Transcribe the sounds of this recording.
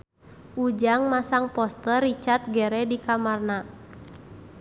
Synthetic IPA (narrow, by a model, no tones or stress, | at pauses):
ud͡ʒaŋmasaŋpɔst̪ərit͡ʃart̪̚ɡɛɾɛdikamarna